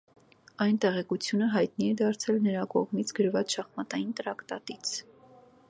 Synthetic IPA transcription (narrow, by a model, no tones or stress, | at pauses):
ɑjnt̪ɛʁɛkut͡sʰjunəɦɑjt̪̚niɛd̪ɑɾt͡sʰɛlnəɾɑkɔʁmit͡sʰɡəɾvɑt͡sʃɑχmɑt̪ɑjint̪əɾɑkt̪ɑ̰t̪it͡sʰ